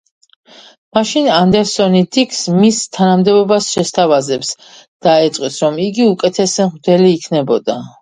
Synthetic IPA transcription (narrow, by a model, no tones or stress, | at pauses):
maʃinand̪ɛɾsɔnid̪ikʰsmist̪ʰanamd̪ɛbɔbasʃɛst̪ʰavazɛps | d̪̥aɛt̪sʼqʼwisɾɔmiɡiukʼɛt̪ʰɛsɛmʁd̪ɛliːkʰnɛbɔd̪a